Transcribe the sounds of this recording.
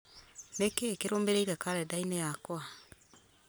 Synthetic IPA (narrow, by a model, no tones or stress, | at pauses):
nekekeɾoːmbeɾeiɾakaɾɛdainejakwa